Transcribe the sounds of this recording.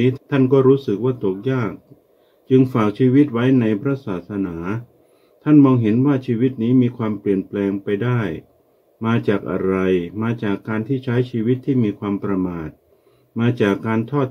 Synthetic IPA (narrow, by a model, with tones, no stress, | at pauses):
t̪ʰa˥˩nkɔː˥˩ɾuː˦˥sɯ˨˩k̚waː˥˩t̪o˨˩k̚jaː˥˩k̚ | t͡ɕɯ˧ŋfaː˨˩k̚t͡ɕʰiː˧wi˦˥t̪̚wa˦˥jna˧jpʰɾa˦˥saː˨˩t̪̚sa˧naː˩˦ | a˥˩nmɔː˧ŋɦe˩˦nwaː˥˩t͡ɕʰiː˧wi˦˥t̪̚niː˦˥miː˧kʰwaː˧mpli˨˩ənplɛː˧ŋpa˧jdaː˥˩j | maː˧t͡ɕaː˨˩k̚ʔa̰˧ɾa˧jmaː˧t͡ɕaː˨˩kːaː˧nt̪ʰiː˥˩t͡ɕʰa˦˥jt͡ɕʰiː˧wi˦˥t̪ʰːiː˥˩miː˧kʰwaː˧mpɾa˧maː˨˩t̪̚ | maː˧t͡ɕaː˨˩kːaː˧nt̪ʰɔː˥˩t̪̚